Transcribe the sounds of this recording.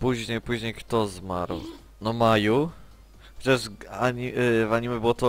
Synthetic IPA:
puʑɲejpuʑɲejkt̪ɔzma̰ɾw | nɔmaju | xɔt͡ɕaʐaɲivaɲimʲɛbɘwɔt̪ɔ

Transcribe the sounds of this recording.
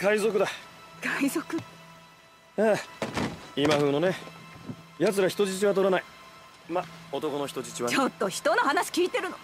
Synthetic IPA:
kaizo̞kɯ̟d̪akaizokɯ̟ | eː | imaɦɯ̟ːno̞ne̞ | jat͡sɨɾaçi̥t̪o̞d͡ʑit͡ɕiβat̪o̞ɾanai | mao̞t̪o̞ko̞no̞çi̥t̪od͡ʑit͡ɕiβat͡ɕot̪ːo̞çi̥t̪ono̞ɦanaɕi̥kʲiːt̪e̞ɾɯno

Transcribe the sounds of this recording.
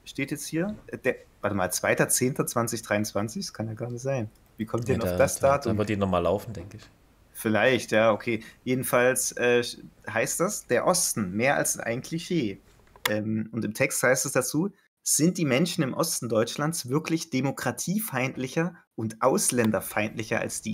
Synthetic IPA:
ʃteːtjɛt͡sthiːɐd̥eːɐv̥aɐtɛmaːlt͡sv̥aɪtɐt͡seːntɐt͡sv̥ant͡sɪçd̥ʁaɪʊnt͡sv̥ant͡sɪçkʰanjaːɡaɐnɪçtz̥aɪn | viːkʰɔmtiːdɛnaʊd̥asd̥aːtʰʊmvəɐtiːnɔχmaːla̰ʊfn̩dɛŋkəɪç | fɪlaɪçtjaːʔokʰeːjeːdn̩falsʔɛːɦaɪst̚d̥asd̥eːɐʔɔstn̩meːɐʔa̰lsɪnʔa̰ɪnkʰl̥iʃeː | ʔɛːmʊntɪmtʰɛksthaɪstɛsd̥at͡suː | z̥ɪnt̚d̥iːmɛnʃn̩ɪmʔɔstn̩dɔʏt͡ʃlansv̥ɪɐklɪçd̥emokʁ̥atʰiːfaɪntlɪçɐʔʊntʔaʊslɛndɐfaɪntlɪçɐa̰lsd̥iː

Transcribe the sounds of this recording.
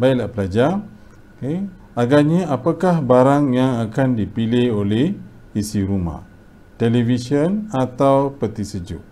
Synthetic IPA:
baiʔlapəlad͡ʒa | ke | aɡaɲaapakahbaɾaŋjaŋakandipilɪholɛh | isiɾuma̰h | t̪elivisiənat̪awpət̪isəd͡ʒṵʔ

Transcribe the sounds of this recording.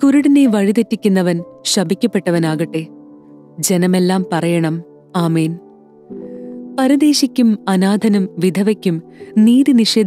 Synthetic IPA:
kuɾuɽineʋɐɻit̪ɐtːikʲːunːɐʋɐnɕɐbʱikʲːɐpːe̞ʈːɐʋɐnaːɣɐʈːeː | d͡ʑe̞nɐme̞lːaːmpɐrɐjɐɳɐm | aːmeːn | pɐɾɐd̪e̞ːɕikʲːumɐnaːd̪ʱɐnɐmʋid̪ʱɐʋɐkʲːumniːd̪iniʂeːd̪

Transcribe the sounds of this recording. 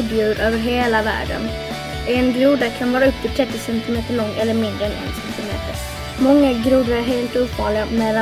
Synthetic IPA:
b̪jʉːɾʔøːvəɾɦeːlavæ̰ːɖə̰n | ʔɛnɡɾuːd̪akʰanvɑːɾaɵpːt̪ɪt̪ʰɾɛt̪ːɪsɛnt̪ɪmeːt̪əɭɔŋːɛlːəɾmɪnd̪ɾəɛnʔɛ̰nsɛnt̪ɪmḛːt̪əɾ | mɔŋːaɡɾuːd̪aɾæɾɦeːlt̪uːpfɑːɪɡamɛlːa

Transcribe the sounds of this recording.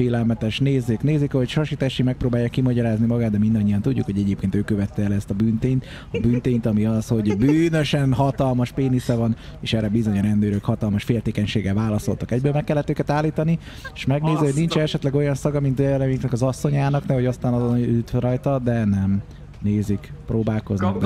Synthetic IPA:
eːlɛlmɛt̪ɛʃneːzːeːkneːzikɛɦo̞cʃɒʃit̪aʃimɛk̚proːbaːjːakːimɒɟɒɾaːznimɒɡaːd̪̚d̪ɛmind̪ɒɲːijɒnt̪uɟːukho̞ɟɛɟeːpkeːnt̪øːkːøvɛt̪ːɛːlɛst̪ɒbyːnt̪eːɲt̪ | ɒbyːnt̪eːnt̪ɒmiɒsho̞ɟbyːnø̞ʃɛnɦɒt̪ɒlmɒʃpeːnisɛvɒn | eːʃɛrɛbizo̞ɲoɾɛnd̪øːɾøkhɒt̪ɒlmɒʃfeːlt̪eːkɛɲʃeːɡɛlvaːlɒso̞lt̪ɒkɛɟbøːlmɛkːɛlːɛt̪ːøːkɛt̪aːlːiːt̪ɒni | e̥ʃmɛɡneːzihoɟnint͡ʃɛɛʃɛt̪lɛɡo̞jɒnsɒɡɒmint̪ɛɛlɛmeːknɛkɒzɒsːo̞ɲaːnɒknɛɦoɟɒst̪aːnɒzoyt̪ɾɒjt̪ɒd̪ɛnɛm | neːzikproːbaːlko̞znɒɡd̪

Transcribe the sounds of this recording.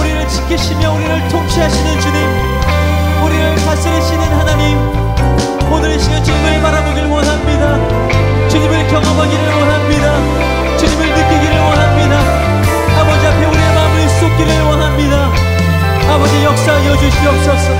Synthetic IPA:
uɾiɾɯɭt͡ɕi̥kʰiɕʰimjʌuɾiɾɯɭtʰoŋɕʰiɦaɕʰinɯnt͡ɕuɲim | uɾiɾɯɭkas͈ɯɾɯɕʰinɯnhanaɲim | onɯɾiɕʰimjʌt͡ɕuɲimɯɭpaɾaboɡiɭwʌnɦamɲida | t͡ɕuɲimɯɭkjʌŋʌmaɡiɾɯɭwʌnɦamɲida | t͡ɕuɲimɯɭnɯk͈ɯɡiɾɯɭwʌnɦamɲida | abʌd͡ʑiapʰe̞uɾiemamɯɭs͈op̚k͈iɾɯɭwʌnɦamɲida | abʌd͡ʑijʌk̚s͈aiʌd͡ʑuɕʰiiʌp̚s͈ʌs͈ʌ

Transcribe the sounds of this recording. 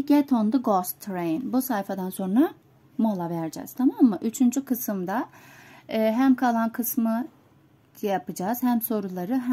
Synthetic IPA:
ɟɛt̪ʰo̞nd̪uɡost̪ʰːɾejnbusajfad̪anso̞nɾa | molˠavæɾd͡ʒɛ̰ːz̥t̪ʰamamːɯʔyt͡ʃʰynd͡ʒykʰɯsɯmd̪a | ɯːɦæmkʰalˠankʰɯsmɯ | japɯd͡ʒaːz̥hæmso̞ɾulˠaɾɯɦ

